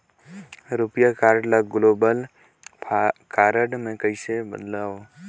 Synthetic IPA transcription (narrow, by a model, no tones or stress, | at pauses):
ɾupjakaːɾɖləɡloːbəlʰ | kaːɾəɖmẽkəɪsebə̰d̪laːo